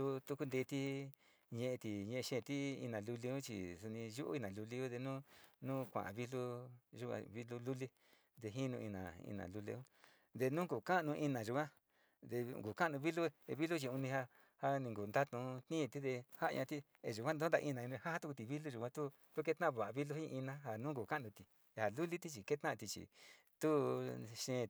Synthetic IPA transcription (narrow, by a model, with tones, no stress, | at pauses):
u˦t̪u˧ku˦nd̪e˧t̪i˦ | ɲẽ˧ʔe˧t̪i˨ɲẽ˧e˧ʃẽ˦˨˧t̪i˦ḭ˧nã˨lu˧li˧ũ˦t͡ʃḭ˨su˧nĩ˧ʒu˦ʔṵ˦i˧nã˨lu˧li˧u˦ðe˧nũ˦nũː˦kʷã̰˨βi˦lu˦ʒu˧kʷã̰˧βi˧lu˧lu˦li˧ | d̪e˧ɦi˦nũ˧ḭ˧nã̰˨ḭ˧nã̰˨lu˧lḛ˧ũ˦ | d̪e˧nũ˦ku˨ka˦˧nũ˧ʔi˧nã˨ʒu˧kʷã˦ | d̪e˧ɡu˨ka˦ʔnũ˧βi˦lu˦˧e˧βi˦lu˦t͡ʃi˧ũ˧nĩ˧ha˧ | ha˧nĩ˧ŋɡu˨nd̪a˦t̪ũ˧t̪nĩ˦˧t̪i˦ðe˧ha˦ʔʔã̰˧t̪i˦ | ḛ˨ʒu˨kʷã˦nd̪o˦nd̪a˧i˧nã˨ĩ˧ha˦ha˦t̪u˦ku˧t̪i˨βi˦lu˦ʒu˧kʷã˧t̪u˦ | t̪u˦k̬e˦t̪nã˦˧βa˨ʔβi˦lu˦hĩ˦ʔi˧nã˧˦ɦa˧nũː˦ku˨kã˦˨nũ˧t̪i˨ | e˨ha˨lu˦li˦t̪i˦t͡ʃi˨ke˦t̪ã˦ʔt̪i˧t͡ʃḭ˨ | t̪u˦ʃẽ˧